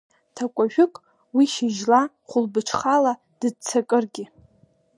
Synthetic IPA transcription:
tʰakʷʼaʒᶣʊkʼ | wiʃɪʒla | χʷʊlbɨʈ͡ʂʰχala | d̥ɨd̚t͡sʰakʼɨrɡʲɪ

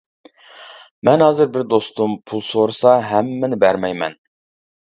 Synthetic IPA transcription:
mɛnɦɑːzɨɾbɪɾd̪ost̪umpʰulˠsoɾɨsɑɦɛmːɪnɪbæɾmɛjmɛ̰n

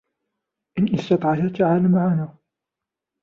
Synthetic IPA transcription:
ʔɪnʔɪst̪ɑt̪ˤʕɑhat̪aʕaːlamaʕanaː

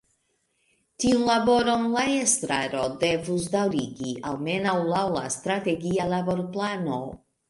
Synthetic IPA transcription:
tiunlabo̞ɾo̞nlaestɾaɾo̞de̞vus̬dawɾiɡiʔalme̞nawlawlast̪ɾate̞ɡialabo̞ɾplano̞

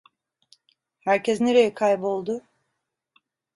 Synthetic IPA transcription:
hæɾcʰɛzneɾejɛkʰajbo̞lˠd̪ʊ

